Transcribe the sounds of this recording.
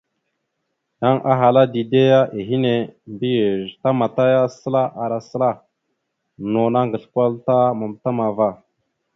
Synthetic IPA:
ja˦ŋʔa˦ɦa˨la˦di˨de˦ja˦ʔi˨ɦi˦ne˨mbi˦jə˨ɾta˦ma˨ta˦ja˦sə˦la˦ʔa˨ɾa˨sə˦la˦˨ | no˨na˦ŋɡə˨ɬkʷa˦lta˦ma˨mta˦ma˨va˦

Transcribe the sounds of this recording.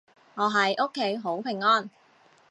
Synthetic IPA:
ŋɔː˨˧ɦɐ˨jʔo˥kʰːe˨˥jɦo˨˥wpʰɪ˨˩ŋːɔː˥n

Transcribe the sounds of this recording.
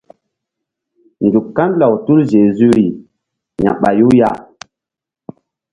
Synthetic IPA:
ndu˨kːa˦nla˨wtu˦lʒe˨zy˦ɾi˨ | ɲã̰˨ɓa˨ju˦ja̰˦˨

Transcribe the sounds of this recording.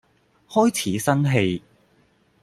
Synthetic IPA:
hɔː˥jt͡sʰiː˨˥sɐ˥nɦe˧j

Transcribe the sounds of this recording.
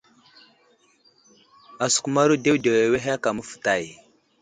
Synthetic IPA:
a˨su̥˨ku˨ma˦ɾu˦de˦wde˨we˨we˦ɦa˦ka˨mə˦fə̥˨ta˦˨j

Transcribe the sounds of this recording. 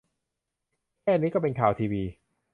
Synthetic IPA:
kʰɛː˥˩niː˦˥kɔː˥˩pe˧nkʰaː˨˩wt̪ʰiː˧wiː˧

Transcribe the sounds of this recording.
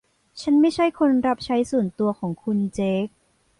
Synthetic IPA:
t͡ɕʰa˦˥nma˥˩jt͡ɕʰa˥˩jkʰo˧nɾa˦˥p̚t͡ɕʰa˦˥jsu˨˩˦nt̪u˧ɐkʰɔː˩˦ŋkʰu˧nt͡ɕeː˦˥k̚

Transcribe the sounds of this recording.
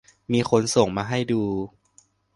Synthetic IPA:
miː˧xo˧nso˨˩ŋmaː˧ɦa˥˩jduː˧

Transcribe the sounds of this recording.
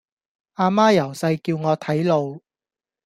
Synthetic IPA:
ʔaː˧maː˥jɐ˨˩wsɐ˧jkiː˧wŋɔː˨˧t̪ʰɐ˨˥jlo˨˧w

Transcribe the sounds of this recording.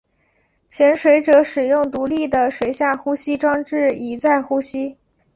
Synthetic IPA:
t͡ɕʰjɛ˧˥nʂwe˧˥ɪʈ͡ʂɤ˧˥ʂɻ̩˨˩jʊ˥˩ŋt̪u˧˥li˥˩d̪ə˩ʂwe˧˥ɪɕja˥˩xu˥ɕi˥ʈ͡ʂwɑ˥ŋʈ͡ʂɻ̩˥˩i˨˩t͡sa˥˩ɪxu˥ɕi˥

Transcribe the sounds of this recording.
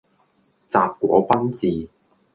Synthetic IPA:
t͡saː˨p̚kʷɔ̰ː˨˥pɐ˥nt͡siː˨˧

